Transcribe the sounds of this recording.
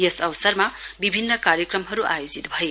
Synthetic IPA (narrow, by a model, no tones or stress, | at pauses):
esɐwsɐɾmɐbibʱinːɐkaɾjɐkɾɐmɦɐɾuʔajozit̪hɐj